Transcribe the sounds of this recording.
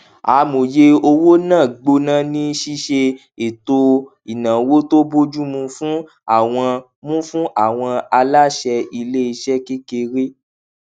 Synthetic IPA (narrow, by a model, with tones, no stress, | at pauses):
a˨˦˧mõ˨je˧o˧wo˦nãː˦˨ɡ͡bo˧nã˦nĩ˦ʃi˦ʃe˧ | e˨to˧ | i˨nã˨wo˦to˦bo˦d͡ʒu˦mũ˧fũ˦ | a˦˨w̃ɔ̃˧ | mũ˦fũ˦ʔa˦˨w̃ɔ̃˧a˧la˦ʃɛ˧i˧le˦i˧ʃɛ˦ke˦ke˧ɾe˦